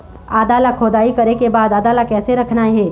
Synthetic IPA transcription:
aːd̪aːlakʰoːd̪aːikɐɾekebaːd̪aːd̪aːlakɛːseɾɐkʰnaɦɛː

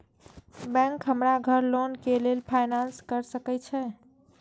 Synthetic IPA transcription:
bɛ̃ŋkɦəmɾaɡʱəɾlonkelelpʰajnanskəɾsəkɛt͡ʃʰɛ

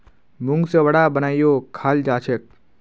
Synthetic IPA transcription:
muŋɡseʋɐɽaːbənaːjjokʰaːld͡ʒaːt͡ʃʰek̚

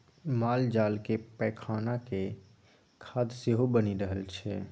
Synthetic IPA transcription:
maːld͡ʒaːlkepɛkʰaːnake | kʰaːd̪seɦubəniɾəɦəlt͡ʃʰɛ

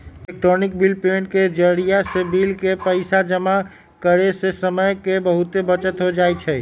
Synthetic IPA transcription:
ek̚ʈɾonik̚bilpenʈked͡ʒəɾijasebilkepəɪsad͡ʒəma | kəɾesesəməjkebəɦut̪ebət͡ʃət̪ɦod͡ʒajt͡ʃʰɛ

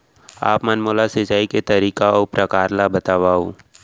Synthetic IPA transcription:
a̰ːpmanmoːlaset͡ʃaːiket̪ɐɾiːkaɔpɾɐkaːɾlabɐt̪aːʋaːo

